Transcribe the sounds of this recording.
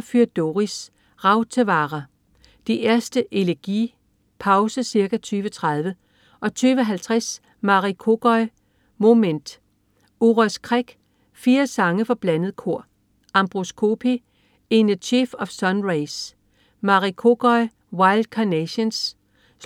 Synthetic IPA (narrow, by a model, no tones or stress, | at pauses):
fyɐd̥oʁis | ʁɑ̈ʊt͡sʰeʋɑ̈ːʁɐ | d̥iʔæɐsd̥əʔe̝læɐɡ̥ḭː | pʰɑ̈ʊsəsiɐɡ̥æt͡sʰyːʋət͡sʰʁɑð̞ˠʋə | ʔɒ̽t͡sʰyːʋəɦælt͡sʰʁas | mɑ̈ʁikʰo̝ɡ̥ɒɪ | mo̝mend̥ | uʁæskʰʁaɡ̥ | fiːɐsɑ̈ŋəfɒ̽b̥lænəð̞̩ˠkʰo̝ɐ̰ | ɑmb̥ʁoskʰo̝pʰi | enət͡sʰiːfɒ̽fsɒ̽nʁeɪs | mɑ̈ʁikʰo̝ɡ̥ɒ̽ɪ | wɑ̈ɪld̥kʰɒneɕens